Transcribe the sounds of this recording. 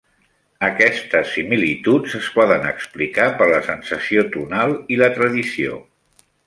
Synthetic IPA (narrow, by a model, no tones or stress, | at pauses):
əkɛst̪əsːimilit̪ut͡səspɔðənə̰ksplikapəɾləsənsəsiot̪unalˠilət̪ɾəðisio̰